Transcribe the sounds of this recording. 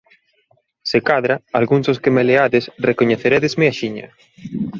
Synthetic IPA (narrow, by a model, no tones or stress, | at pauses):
sekaðɾaalɣuŋzoskemeleaðesrekoɲeθeɾɛðɪzmeaʃiɲɐ̰